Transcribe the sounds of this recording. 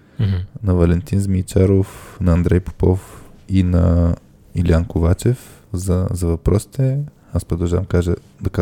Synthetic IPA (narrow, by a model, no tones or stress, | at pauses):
nɐvɐlɛnt̪inzmit͡ʃaɾofnɐːnd̪ɾɛjpo̥pɔfinɐ | iliankovat͡ʃɛfzɐzɐvɐpɾɔsi̥t̪ɛ | aspɾod̪ɐlˠʒavɐmkaʒə | d̪ɐka